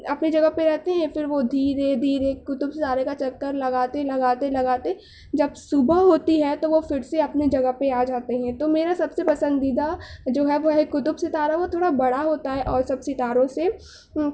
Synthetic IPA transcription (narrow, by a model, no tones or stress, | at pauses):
ɐpnid͡ʒɐɡəpeɾɛɦt̪eɦɛ̃fɪɾʋod̪ʱiːɾẽd̪ʱiːɾekːʊt̪ʊbsɪt̪aːɾekat͡ʃɐkːəɾlɐɡaːt̪elɐɡaːt̪elɐɡaːt̪e | d͡ʒɐbsʊbəɦoːt̪iɦɛt̪oʋofɪɾseɐpnid͡ʒɐɡəɦpeaːd͡ʒaːt̪eɦɛ̃t̪omeːɾasɐbsepɐsə̃nd̪iːd̪ad͡ʒoːɦɛʋoɦekːʊt̪ʊbsɪt̪aːɾaʋot̪ʰoːɽabɐɽaɦoːt̪aɦɛʔɔːɾsɐbsɪt̪aːɾõse